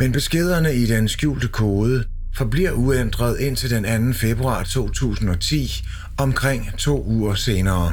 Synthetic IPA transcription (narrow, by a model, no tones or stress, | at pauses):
menb̥e̝sɡ̥e̝ð̞̰ˠɐnəid̥ensɡ̥jṵːld̥əkʰoːðˠə | fɒ̽b̥liɐ̰uend̥ʁɐð̞ˠe̝n̰t͡sʰe̝ld̥enænn̩fe̝b̥ʁuɑ̰̈ːt͡sʰo̝̰ːt͡sʰṵːsn̩ɒ̽t͡sʰḭː | ɒ̽mkʰʁeŋ̰t͡sʰo̝̰ːuːɐse̝ːnɐː